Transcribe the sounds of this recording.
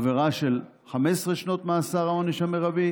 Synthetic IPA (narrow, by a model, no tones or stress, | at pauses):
veʁaʃel | χamesʁeʃno̞t̪measaʁaoniʃameʁabi